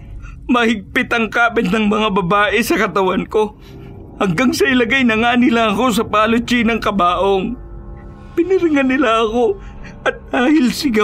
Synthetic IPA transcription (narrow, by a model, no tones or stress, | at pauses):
mɐhɪɡ̚pɪt̪ɐŋkaːpɪt̪nɐŋmɐŋabɐbaːʔɛsɐkɐt̪ɐwɐnko̞ | hɐŋɡɐŋsɐɪlɐɡajnɐŋaːnɪlaɐko̞s̬ɐpaːlʊt͡ʃinɐŋkɐbaːʔoŋ | pɪnɪɾɪŋɐnːɪlaɐko̞ | ʔɐt̪̚d̪̥aːhɪlsɪɡa